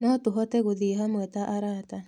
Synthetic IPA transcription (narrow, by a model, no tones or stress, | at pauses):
nɔtoɦɔtɛɣoðiɦamwɛtaʔaɾata